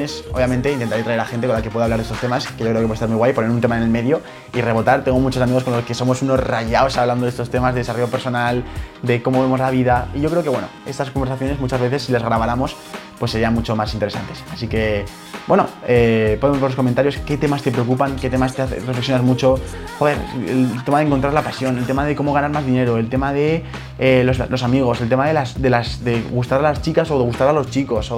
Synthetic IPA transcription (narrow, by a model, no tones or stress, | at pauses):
esoβjamẽnt̪eint̪ent̪aɾet̪ɾaeɾaxe̞nt̪ekolake̞pwe̞ðaβlaɾðest̪t̪e̞maskeʝokɾekst̪aɾmujɣwajponeɾunt̪e̞maene̞lme̞ðjo̞ | ire̞βo̞t̪aɾt̪e̞ŋɡo̞mut͡ʃosamiɣ̞oko̞nlo̞ske̞so̞mo̞suno̞zraʝaosaβland̪oðest̪o̞st̪e̞mazðe̞ðsaroope̞ɾso̞nald̪e̞ko̞mo̞βe̞mozlaβ̞iðaiʝo̞kɾe̞oke̞βwe̞no̰e̞st̪askombeɾsaθjo̞ne̞zmut͡ʃazβe̞θesːilezɣɾaβaɾamo̞s | pwesːe̞ɾianmut͡ʃo̞masint̪eɾe̞sa̰nt̪e̞sasike̞ | bwe̞no̞̰epo̞ðemoβeloko̞mẽnt̪aɾjo̞ske̞t̪e̞mast̪e̞pɾe̞o̞k̬upaŋke̞t̪emast̪eaθerefleksjonazmut͡ʃo̞ | xo̞ðe̞ɾḛllt̪e̞maðeŋko̞nt̪ɾaɾlapasjo̞ne̞lt̪e̞mað̞e̞ko̞mo̞ɣ̞anaɾmazðine̞ɾoe̞lt̪e̞maðe̞ | elozlo̞samiɣ̞o̞se̞lt̪e̞maðe̞lasd̪e̞lasðe̞ɣust̪aɾalast͡ʃikaso̞ðe̞ɣust̪aɾalo̞st͡ʃiko̞so